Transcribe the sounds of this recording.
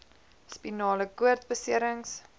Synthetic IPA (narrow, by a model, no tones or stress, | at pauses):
spinɑːləkuərt̚bəsiəɾəŋs